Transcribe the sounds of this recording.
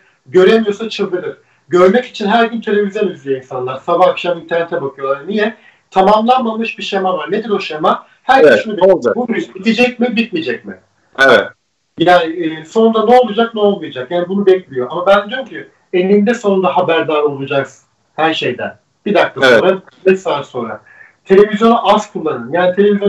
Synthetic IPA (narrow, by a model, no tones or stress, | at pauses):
ɟø̞ɾemijo̞sat͡ʃʰɯlˠd̪ɯɾɯɾ̥ | ɟø̞ɾmɛci̥t͡ʃʰinɦæɾɟynt̪ʰe̞lʲe̞vizjonyzlʲijeinsanlˠaɾsabaːkʃamint̪ʰæɾnet̪ʰɛbakʰɯjolˠaɾnijɛ | t̪ʰamamlˠanmamɯʃbiʃemavaɾned̪ilo̞ʃema | hæɾeʃunubbuɾibid̪id͡ʒɛcmibit̪̚mid͡ʒɛc̚mɪ | evɛt̪ | jaːnɪːso̞nund̪anɛo̞lˠud͡ʒak̚nɛo̞lˠmujad͡ʒakjaːnibunubɛclʲijo̞amabænd͡ʒ̪ymcʰy | enːind̪ɛso̞nund̪aɦabæɾd̪aːɾo̞lˠud͡ʒakz | hæɾʃe̞jd̪æ̰n | b̥id̪ak̚t̪ʰaonɾa | mesaaɾso̞nɾa̰ | t̪ʰe̞lʲe̞vizjo̞nuʔazkʰulˠːanɯnjaːnit̪ʰe̞lʲevizjo